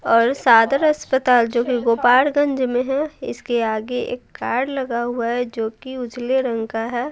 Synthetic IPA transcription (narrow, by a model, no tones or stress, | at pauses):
ɔːɾsaːd̪əɾɐspət̪aːld͡ʒoːkiɡoːpaːɾɡə̃ɲd͡ʒmẽɦɛɪ̰skeaːɡeḛːkːaːɾɖlɐɡaɦuaɦɛd͡ʒoːkiʊd͡ʒleɾə̃ŋkaɦɛː